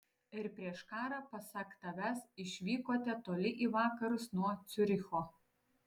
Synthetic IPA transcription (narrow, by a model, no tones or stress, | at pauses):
ɪɾpʲɾʲiɛʃkɑːɾɑpɐsɑkt̪ɐʋʲæsɪʃʲʋʲiːkoːt̪ʲɛt̪oːlʲɪʔiːʋɑːkɐɾʊsnuɔt̪sʲʊɾʲɪxoː